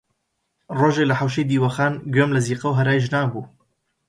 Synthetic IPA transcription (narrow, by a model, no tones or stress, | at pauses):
roːʒelɐħawʃ̬ejd̪iːwɐxaːnɡɥemlɐziːqɐwɦɐɾaːjʒnaːbuː